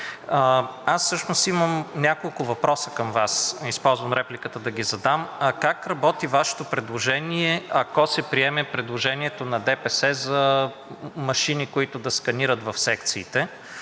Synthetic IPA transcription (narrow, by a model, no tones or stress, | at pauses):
asːɤʃnost̪iməmnʲakolˠkʊvɐpɾɔsə̥kɐmvasispɔlˠzvɐmɾɛplikət̪əd̪ɐɡʲizɐd̪amkakɾɐbɔt̪ivaʃɛ̥t̪opɾɛd̪lˠoʒɛniɛɐkɔsɛpɾiɛmɛpɾɛd̪lˠoʒɛniɛt̪onɐd̪ɛpɛsɛzɐ | mɐʃinikʊit̪ʊd̪ɐskɐniɾət̪vɐfsɛkt̪siːt̪ɛ